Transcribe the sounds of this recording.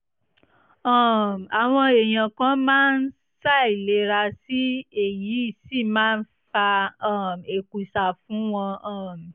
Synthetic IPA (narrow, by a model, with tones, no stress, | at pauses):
ɔ˦˨m˨a˨w̃ɔ̃˧e˨j̃ã˨kã˦mãː˦n̩˦ | sa˦˨i˨le˨˦ɾa˧si˦e˦˨ji˨˦i˦˨si˦˨mãː˦˧n̩˦fa˧˦˨me˨ku˨sa˨fũ˨˦w̃ɔ̃˧ɔ˦˨m˨